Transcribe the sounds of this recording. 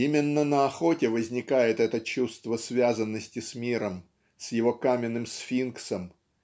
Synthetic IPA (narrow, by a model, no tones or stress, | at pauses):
imʲɪnːənəɐxo̞tʲɪvəzʲnʲɪkajɪt̪ɛt̪ət͡ɕust̪vəsvʲazənːəsʲtʲɪsʲmʲiɾəm | sʲjɪvo̞kamʲɪnːɨmsfʲinksəm